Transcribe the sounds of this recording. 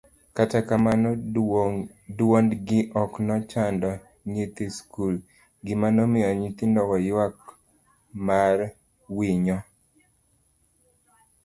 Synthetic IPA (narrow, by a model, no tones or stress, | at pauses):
katakaman | dwondɡɪʔɔknɔt͡ʃandɔ | ɲet̪iskul | ɡɪmanɔmɪjɔɲit̪indɔkɔjwak | mar | wiɲɔ